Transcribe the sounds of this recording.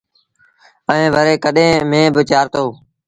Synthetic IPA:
əẽːʋəɾeːkəɗẽːmẽːbət͡ʃaːɾt̪oː

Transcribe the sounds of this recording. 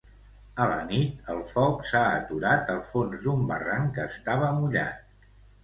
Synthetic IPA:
ələ̰nit̪əlˠfɔksaət̪uɾat̪əlˠfonzd̪umbə̰raŋkəːst̪aβ̞əmuʎa̰t̪̚

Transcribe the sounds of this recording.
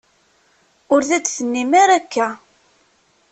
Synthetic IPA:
ʊɾðædθənːimæɾækːæ

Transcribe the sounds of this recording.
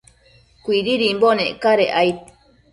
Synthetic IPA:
kʷiɾiɾimboneʔkaɾeʔajt̪

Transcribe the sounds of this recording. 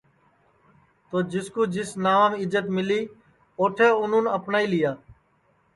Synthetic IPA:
t̪oːd͡ʒɪskuːd͡ʒɪsnaːmɪd͡ʒət̪mɪliː | oːʈʰeːʊn̤ũːnəpnaːiːlɪjaː

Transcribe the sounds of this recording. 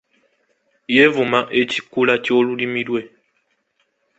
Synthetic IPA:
jevumaʔe̞cikulacoːlulimiɾwe̞

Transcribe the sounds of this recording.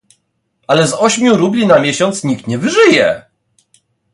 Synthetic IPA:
alɛzɔɕmʲjuɾublʲinamʲjeɕɔnt̪sɲik̚t̪ɲɛvɘʐɘjɛ̰

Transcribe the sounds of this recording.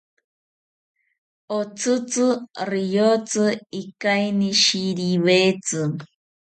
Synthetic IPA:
ot͡sʰɨt͡sɨrijot͡sɨikajniʃiɾiwet͡sɨ

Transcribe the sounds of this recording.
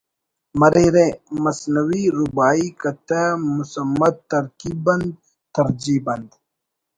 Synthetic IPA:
mɐɾeɾẽmɐsnɐwiɾubaːikɐt̪amusɐmːɐd̪̚t̪ɐɾkiːbɐnd̪̚ | t̪ɐɾd͡ʑiːbɐnd̪

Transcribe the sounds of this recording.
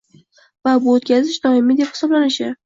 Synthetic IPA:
vabʊot̪kʲʰazɪʃd̪ɒɪmid̪ephɪ̥sɒblanɪʃɪ

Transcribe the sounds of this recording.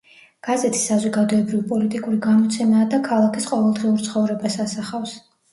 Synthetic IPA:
ɡ̥azɛt̪ʰi̥sːazɔɡad̪ɔɛbɾivpʼɔlit̪ʼikʼuɾiɡamɔt̪sʰɛmaːd̪akʰalˠakʰisqʼɔvɛlˠd̪ʁiuɾt̪sʰχɔvɾɛbasasaχafs

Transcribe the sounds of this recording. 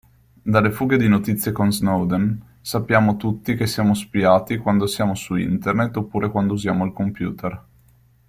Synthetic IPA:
d̪alːefuːɡed̪inot̪it̪sːjekonznowd̪en | sapːjaːmot̪ut̪ːik̟esːjaːmospiaːt̪ikwand̪osjaːmosuḭnt̪ernet̪ːopːuːɾekwand̪ouzjaːmoalkompjṵːt̪er

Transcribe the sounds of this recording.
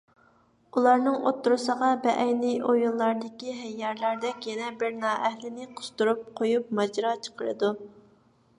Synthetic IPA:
ulˠɑɾnɨŋo̰t̪ːuɾɨsəʁɑbɛʔɛjniʔojulˠːɑɾd̪ɪkʲiɦɛjːɛɾlæɾd̪ɛkʲjɛnɛbɪɾnɑːʔɛhlɪnɪqʰʊ̥st̪uɾup̚qʰojup̚mɑd͡ʒɾɑt͡ʃʰə̥qʰəɾɨ̰d̪u

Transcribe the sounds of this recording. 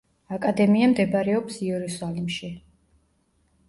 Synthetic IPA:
akʼad̪ɛmiamd̪ɛbaɾɛɔpsiɛɾusalimʃi

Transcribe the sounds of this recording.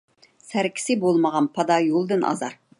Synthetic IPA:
sæɾkʲʰɪ̥sɪbolˠməʁɑnpʰɑd̪ɑjolˠd̪ɨnʔɑ̰zɑɾ

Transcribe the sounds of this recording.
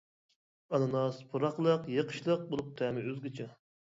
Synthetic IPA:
ɑnɨnɑspʰuɾɑχlˠəqjəqʰə̥ʃlˠəq̚bolˠup̚t̪ʰɛmɪøzɡʲit͡ʃʰɛ

